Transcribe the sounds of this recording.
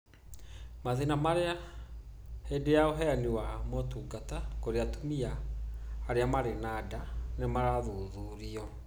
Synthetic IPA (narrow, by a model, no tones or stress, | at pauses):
maðinamaɾea | hedejaoɦɛaniwamɔtuɡatakoɾeatumiaː | ɾeamaɾenaːdanemaɾaðuðuɾiɔ